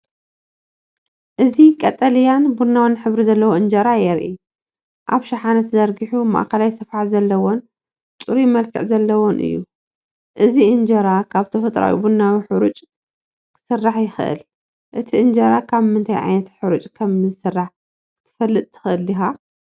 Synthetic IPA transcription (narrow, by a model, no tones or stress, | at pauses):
ʔɨzikʼɐt̪ʼɐljanbunːawnħɨβɾizɐlːɐwoʔɨnd͡ʒɐɾajɛɾʔḭ | ʔaβʃaħanɐt̪zɐɾɡiħuma̰ʔkʰɐlajsɨfħazɐlːɐwon | t͡ʃʼuɾimɐlkʰɨ̰ʕzɐlːɐwonʔɨ̰jːṵ | ʔɨziʔɨnd͡ʒɐɾakʰaβt̪ʰɐfɐt̪ʼɾa̰wḭbunːawiħɨɾut͡ʃʼ | kʰɨ̥sɨrːaħjɪxɨʔɨ̰l | ʔɨt̪ʰiʔɨnd͡ʒɐɾakʰaβmɨnt̪ʰajʕa̰jnɐt̪ħɨɾut͡ʃʼkʰɐmzɨsɨrːaħ | ɨt̪ʰɨ̥fɐlːɨt̪ʼt̪ʰɨ̥xɨʔɨlːixa